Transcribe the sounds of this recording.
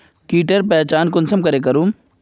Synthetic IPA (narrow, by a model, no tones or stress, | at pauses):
kiːʈəɾpɛːt͡ʃaːnkʊnsɐmkɐɾekɐɾũː